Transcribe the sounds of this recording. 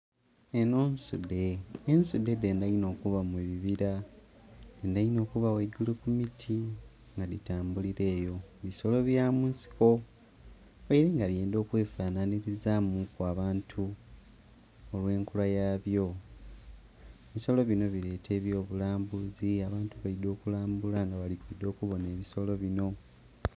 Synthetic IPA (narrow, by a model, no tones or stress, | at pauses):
eno̞ːnsṵde̞ːnsude̞de̞ːndaino̞ːkuβamuβiβiɾa | endajino̞ːkuβaweɟulukumitʰi | ŋɡaðitaːmbuliɾe̞ːjo̞βiso̞lo̞βjaːmuːnsi̥ko̞ | oiɾeŋɡaβjeːndo̞ːkwe̞ːfaːnaniɾizamukuaːβaːntʰu | olwe̞ːŋkulajaːβjo̞ | eβiso̞lo̞βino̞βiɾe̞ːtʰe̞ːβjo̞ːβulaːmbuziaβaːntuβaido̞ːkulaːmbulaŋɡaβalikwiːdo̞ːkuβo̞ne̞ːβiso̞lo̞βino̞